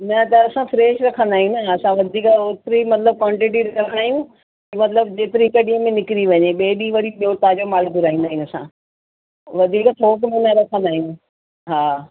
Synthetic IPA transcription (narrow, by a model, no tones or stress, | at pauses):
nɐt̪ɐɐsãfʰɾeːʃɾɐkʰə̃nd̪aːɦijũnaɐsãʋɐd̪ʱiːkot̪ɾimɐt̪ləb̚kwãːɳʈɪʈ̬iɽkʰɐnd̪aːɦijũ | imɐt̪ləb̚d͡ʑeːt̪ɪɾikɐɗijə̃mẽnɪkɪɾiʋɐɲeɓeːɗiʋɐɽiɓijot̪aːd͡ʑomaːlɡʊɾaːɦĩnd̪aːɦij̃ɐsã̰ | ʋɐd̪ʱiːkt̪ʰoːkmẽnɐɾɐkʰə̃nd̪aːijũ | ɦaː